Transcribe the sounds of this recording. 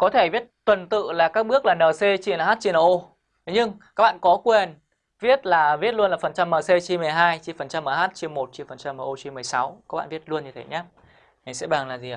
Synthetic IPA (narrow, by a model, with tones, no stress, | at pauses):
kɔ˨˦t̪ʰe˧˩vi˦˥ət̚t̪wə˨˩nt̪ɨ̰˧˨laː˨˩kaː˦˥k̚ɓɨ˦˥ək̚laː˨˩nəː˨˩se˧t͡ɕi˧˩nəː˨˩aː˦˥t̚t͡ɕi˧nəː˨˧˩ʔo˧ | t̪ɲɨ˧ŋkaː˦˥k̚ɓa̰ː˧˨nkɔ˨˦kwe˨˩n | vi˦˥ət̚laː˨˩vi˦˥ət̚lu˧ənlaː˨˩fə˨˩nt͡ɕa˧mːəː˨˩se˧t͡ɕi˧mɨ˨˩əjɦaː˧jt͡ɕi˧˩˨fə˨˩nt͡ɕa˧mːʔəː˨˩ɦaː˦˥t̚t͡ɕi˧mo˨˩t̚t͡ɕi˧˨fə˨˩nt͡ɕa˧mʔəː˨˩ʔo˧t͡ɕi˧mɨ˨˩əjsa˨˦wka˧˦k̚a̰ː˧˨vət̚lu˧ənɲɨ˧e˨˦ɲaː˨˦ | ha˨˩jsɛ̰˧˥ɓaː˨˩ŋlaː˨˩zi˨˩˨